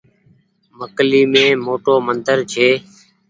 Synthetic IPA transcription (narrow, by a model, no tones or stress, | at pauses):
məkliːmẽːmoːʈoːmənd̪əɾt͡ʃʰeː